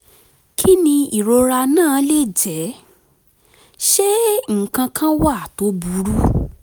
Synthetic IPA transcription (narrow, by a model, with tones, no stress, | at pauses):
kʰi˦nĩ˧i˨ɾo˧ɾa˧nãː˦˨˦le˦˨d͡ʒɛ˨˦ | ʃe˦ŋ̩˨kã˧kʰã˦wa˦˨to˨˦bu˨˦ɾu˦